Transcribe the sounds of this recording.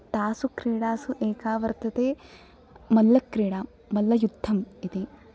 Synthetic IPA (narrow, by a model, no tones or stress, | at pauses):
t̪aːsukɾiːɽaːsuʔeːkaːʋɐɾt̪ʰɐt̪eː | mɐlːɐkɾiːɽaː | mɐlːɐjud̪ʱːɐmit̪i